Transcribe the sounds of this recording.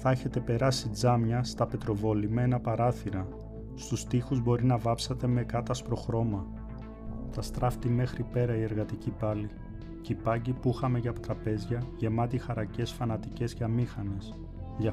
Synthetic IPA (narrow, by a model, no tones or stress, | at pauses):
θɐeçe̞t̪e̞pe̞ɾɐsid͡zɐmɲɐst̪ɐpe̞t̪ɾo̞vo̞limenɐpɐɾɐθiɾɐ | st̪ust̪ixuzbo̞ɾinɐvɐpsɐt̪e̞me̞kɐt̪ɐspɾo̞xɾo̞mɐ | t̪ɐst̪ɾɐft̪ime̞xɾipe̞ɾɐie̞ɾɣɐt̪icipɐli | cipɐɲɟipuxɐme̞ʝɐpot̪ɾɐpe̞zʝɐʝe̞mɐt̪̬ixɐɾɐce̞sfɐnɐt̪ice̞sceɐmixɐne̞s | ʝɐ